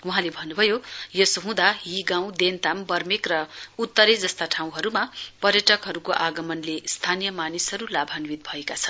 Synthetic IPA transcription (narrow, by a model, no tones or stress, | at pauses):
wʌɦãlebʱʌnːubʱʌjojʌsoɦũd̪aɦiɡãw̃d̪ent̪ambʌrmekrʌut̪ːʌɾed͡zʌst̪aʈʰaw̃ɦʌɾumapʌrjʌʈʌkɦʌɾukoʔaɡʌmʌnlest̪ʰanijʌmanisɦʌɾulabʱanwit̪̚bʱʌekat͡sʰʌn